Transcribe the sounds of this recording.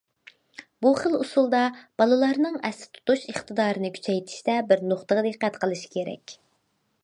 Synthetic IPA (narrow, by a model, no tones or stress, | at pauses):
buχəlˠusulˠd̪ɑb̥ɑlˠɨlˠɑɾnɨŋɛsɪ̥t̪ʰu̥t̪uʃəχt̪ɨd̪ɑːɾɨnɨkʲʰy̥t͡ʃʰɛjt̪ʰɪ̥ʃt̪ɛbɪɾnoχt̪əʁd̪eqːæt̪qʰəlˠɨʃi̥kʲeɾɛ̰kʲ